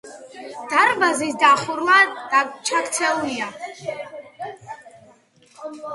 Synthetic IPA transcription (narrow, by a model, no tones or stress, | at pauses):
d̪̥aɾbazisd̪aχuɾmad̪̥at͡ʃʰakt̪sʰɛlulia